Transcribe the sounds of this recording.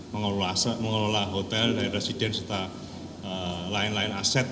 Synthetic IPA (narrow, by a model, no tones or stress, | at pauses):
məŋəasməŋəlolaɦot̪ɛldaɾiresidɛnsərt̪a | əlaɪnlaɪnasɛt̪̚